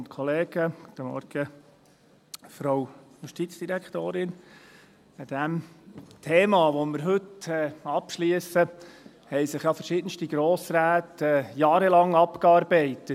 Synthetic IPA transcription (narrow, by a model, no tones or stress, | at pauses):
ʊnt̪kʰɔleːɡ̥əɡt̪ːəmɔ̰ɾɡ̥ə | fɾowjuʃtitt͡sd̥iɾækχt̪oːɾɪn | əd̥æmt̪ʰeːmɑʋoməɾɦɵtɛɑpʃliəsə | hɛɪsɪχjɑfəɾʃɪːd̥ən̩ʃtiɡɾoːsɾæːtɛːjɑːɾəlɑŋɑpkɑːɾbɛɪtət